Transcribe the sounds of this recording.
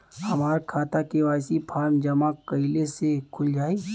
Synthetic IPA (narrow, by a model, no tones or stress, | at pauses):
hɐmaːɾkʰaːt̪akeʋaːjsipʰaːɾmd͡ʒɐmakəɪlesekʰʊld͡ʒaːiː